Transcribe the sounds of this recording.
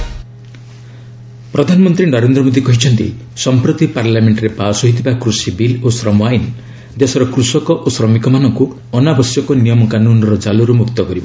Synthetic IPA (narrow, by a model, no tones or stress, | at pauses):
pɾɔd̪ʱanɔmɔnt̪ɾinɔɾend̪ɾɔmod̪ikɔɦit͡ʃʰɔnt̪ḭ | sɔmpɾɔt̪ipaɾlameɳʈɾepasɔɦit̪ʰibakɾusibilosɾɔmwajn | d̪esɔɾɔkɾusɔkɔʔosɾɔmikɔmanɔŋku | ɔnabɔsjɔkɔnijɔmɔkanunɔɾɔd͡ʒaluɾumukt̪ɔkɔɾibɔ